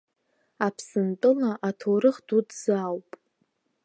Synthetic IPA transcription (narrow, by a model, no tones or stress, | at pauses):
apʰsɨntʼɨlaʔatʰoɾɨχdudz̥awpʼ